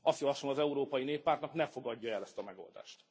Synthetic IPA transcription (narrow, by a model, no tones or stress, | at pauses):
ʔɒst̪jɒvɒʃomɒzɛuɾoːpɒjineːpːaːrt̪nɒknɛfo̞ɡɒɟːɒɛlɛst̪ɒmɛɡo̞̰ld̪a̰ːʃt̪